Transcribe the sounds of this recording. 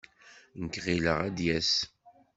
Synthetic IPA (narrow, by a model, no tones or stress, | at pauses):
nkʁiləʁæd̪jæs